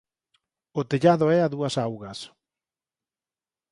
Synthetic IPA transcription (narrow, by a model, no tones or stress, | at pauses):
ot̪eʎaðoɛaðuɐsawɣɐs